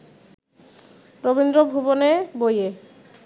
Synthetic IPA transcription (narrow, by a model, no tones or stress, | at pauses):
ɾobind̪ɾobʱuboneboje